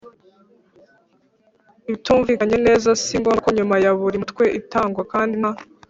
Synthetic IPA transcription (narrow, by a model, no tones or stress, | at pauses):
iβituːɱvikaɲe̞ne̞ːzasiŋɡokoɲumajaβuɾimutkwe̞ʔitaːŋɡwakaːndima